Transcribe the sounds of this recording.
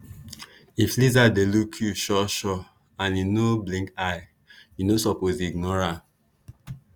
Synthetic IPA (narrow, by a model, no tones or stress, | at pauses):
iflizadelukʰjuʃɔʃɔ | ãninoblĩŋkaɪ | inosɔpoziɡnɔɹa